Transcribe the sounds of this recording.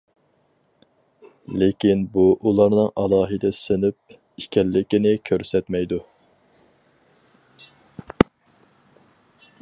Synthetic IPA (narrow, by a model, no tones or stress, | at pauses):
lɪkʲinbuʔulˠɑɾnɨŋʔɑlˠɑːɦɨd̪ɛsɪnyp̚ | ikʲʰɛlːɪkʲinɪkʲʰøɾsɛt̪mɛjd̪u